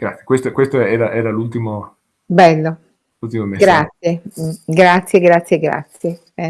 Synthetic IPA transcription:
ɡ̥ɾat̪sje̥kwest̪okwest̪oɛːɾaʔɛːɾalult̪imo | bɛlːo | lult̪imomeɡɾat̪sjeɡɾat̪sːjeɡɾat̪sːjeɡɾa̰t̪sje | ɛ

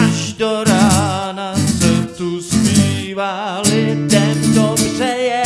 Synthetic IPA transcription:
aʒdoɾaːnasɛt̪uspiːvalɪdɛmdobrɛjɛ

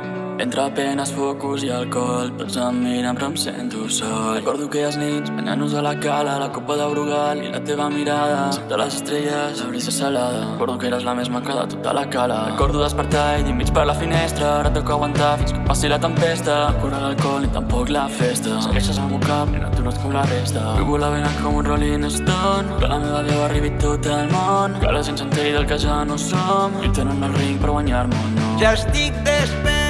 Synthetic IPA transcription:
ḛnt̪ɾəpɛnəsfɔkuziəlkɔlpɔ̰lzəmːinəpɾəmsḛnt̪usoəkɔɾðukeəznɛnspə̰ɲa̰nuzəlakalələkopəðəwɾuɣalḭla̰t̪eβəmiɾaðəd̪ələ̰zəst̪ɾɛʎəzəβɾizəsəlaðəkɔɾðukeɾəzlamezmakaðə̰t̪ut̪a̰lakalərəkɔɾðuðəspəɾt̪aðimit͡ʃpəɾlafinɛst̪ɾənat̪okaɣwant̪afinskəpasilət̪əmpɛst̪ɾəkuɾaɾalkɔlit̪ampɔklafest̪asə̰ɣeʃazamukapḭna̰t̪uɾat̪koβlarɛst̪aṵɣulaβeɾakomunrolinəst̪onpə̰lameβaβjaβariβit̪ot̪əlmonka̰laʒensant̪eɾiðəlkazanosomḭt̪enənəlriŋpəɾɣwaɲaɾmonoʒast̪ik̚d̪esp

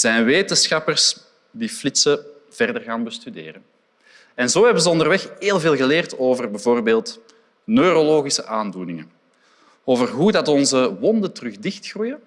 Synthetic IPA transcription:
z̥ɛjnʋeːtənsxɑpərs | diːflɪtsə | v̥ɛrdərɣaːnbəstydḛːɾən | ɛnzoːɦɛbənzəɔndərʋɛxeːlˠveːlˠɣəleːrtoːvərbɛvoːrbeːlˠt | nøːɾoloːɣisəʔaːndunɪŋə | oːvərɦudɑtɔnzəwɔndətərɵɣdɪxtxrujə

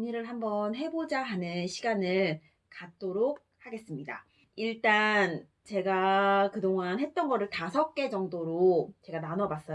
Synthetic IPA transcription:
ɲiɾɯɭɦambʌnɦe̞bod͡ʑaɦanɯnɕʰiɡanɯɭ | kat̚t͈oɾok̚haɡe̞s͈ɯmɲida̰ | iɭt͈an | t͡ɕe̞ɡakɯdoŋanhe̞t̚t͈ʌnɡʌɾɯɭtasʰʌk̚k͈e̞d͡ʑʌŋdoɾot͡ɕe̞ɡananʌbas͈ʌ

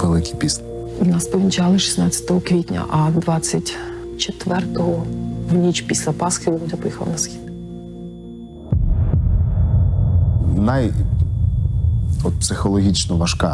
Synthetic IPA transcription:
ʋelˠɪkʲipʲis | inɑspɔʋʲnʲit͡ʃɑlˠɪʃi̥snɑt͡sʲɐ̥t̪ɔɦɔkʋʲitʲnʲɐ̰ʔɐd̪ʋɑt͡sʲːɐtʲ | t͡ʃet̪ʋɛrt̪ɔɦɔʋnʲit͡ʃpʲisʲlʲɐpɑsxɪɪbud̪ʲɛpɔjixɐlˠɐ̰nɐsxʲid̪ | naj | ɔt̪̚psɪxɔlˠɔɦʲit͡ʃnɔʋɐʃkɑ̰

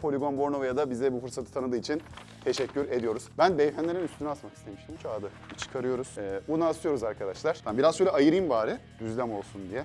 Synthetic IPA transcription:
pʰo̞lʲiɡo̞nbo̞ɾnovajad̪abizɛbufɯɾsat̪ʰɯt̪ʰanɯd̪ɯːit͡ʃʰin | t̪ʰe̞ʃɛcʲʰːyɾe̞d̪ijo̞ɾuz̥bænbejfænʲe̞ɾinyst̪ʰynyat̪makist̪ʰe̞miʃt̪ʰimt͡ʃʰaːd̪ɯ | it͡ʃʰɯ̥kʰaɾɯjo̞ɾuz̥ɛːbunaːsʰɯjo̞ɾuzaɾkʰad̪aʃlˠaɾ̥t̪ʰambiɾazʃøjlʲɛʔajɯɾiinbaːɾɯ | d̪yzlʲæmo̞lˠsund̪ijɛ

